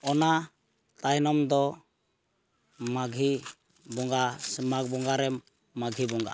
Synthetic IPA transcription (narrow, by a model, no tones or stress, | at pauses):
ɔna | t̪ajnɔmd̪ɔ | maɡʱi | bɔŋɡasmak̚bɔŋɡaɾɛmː | aɡʱibɔŋɡa̰